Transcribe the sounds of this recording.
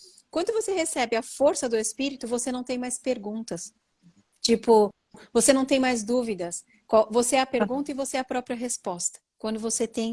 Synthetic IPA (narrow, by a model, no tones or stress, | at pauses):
kwɐ̃d̪ʊvosehesɛbɪɐfoɾsɐd̪ʊespiɾit̪ʊvosenɐ̃w̃t̪ẽj̃majspeɾɡũnt̪ɐs | t͡ʃipʊ | vosenɐ̃w̃t̪ẽj̃majzd̪uvid̪ɐs | kavoseɛɐpeɾɡũnt̪ɐɪvoseɛɐpɾɔpɾiɐɦespɔst̪ɐ̥kwɐ̃nd̪ʊvoset̪ẽj̃